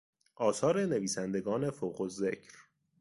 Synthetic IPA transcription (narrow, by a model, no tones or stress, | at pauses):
ʔɒːsɒːɾe̞ne̞viːsænd̪e̞ɡɒːne̞foːɣozecʰɾ